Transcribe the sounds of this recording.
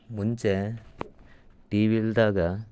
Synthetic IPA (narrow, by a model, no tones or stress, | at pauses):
muɲt͡ʃe | ʈiːʋild̪aːɡɐ